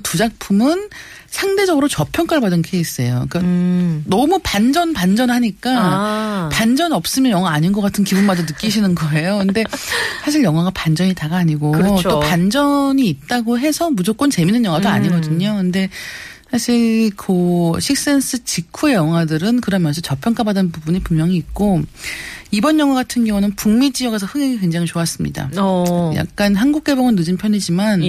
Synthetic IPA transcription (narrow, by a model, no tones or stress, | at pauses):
tud͡ʑak̚pʰumɯn | sʰaŋde̞d͡ʑʌɡɯɾot͡ɕʌpʰjʌŋk͈aɭbadɯnkʰeis͈ʌjo̰k͈anʌmupand͡ʑʌnpand͡ʑʌnɦaɲik͈a | pand͡ʑʌnʌp̚s͈ɯmjʌnjʌŋɦwaːɲinɡʌk͈atʰɯnkibunmadanɯk͈iɕʰinɯnɡʌe̞jokɯnde̞sʰaɕ̬ʰiɭjʌŋɦwaɡapand͡ʑʌɲitaɡaːɲiɡoopand͡ʑʌɲiːt̚t͈aɡoɦe̞sʰʌmud͡ʑok͈ont͡ɕe̞minɯnjʌŋwadoa̰ɲiɡʌdɯɲokɯnde̞ | sʰaɕʰiɭkʰɯɕʰik̚s͈e̞ns͈ʰɯt͡ɕikʰujʌŋɦwadɯɾɯnkɯɾʌmjʌnsʰʌt͡ɕʌpʰjʌŋkʰabadɯnpubuɲipumjʌŋiːk̚k͈o | ibʌnjʌŋɦwaɡatʰɯnɡjʌŋunɯnpuŋmid͡ʑiʌɡes̬ʰʌhɯŋeɡikeŋd͡ʑaŋit͡ɕoas͈ɯmɲḭda̰ja̰k̚k͈anɦanɡuk̚k͈e̞boŋɯnːɯd͡ʑinpʰjʌɲid͡ʑiman